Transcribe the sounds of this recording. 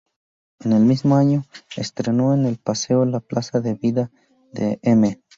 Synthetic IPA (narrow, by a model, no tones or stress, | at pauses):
enelmizmoaɲo̞ḛst̪ɾenoenelpaseolaplasaðe̞βiða | d̪ḛeme